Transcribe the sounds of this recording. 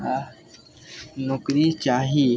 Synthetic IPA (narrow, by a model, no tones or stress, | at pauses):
nʊkɾit͡ʃaːɦiː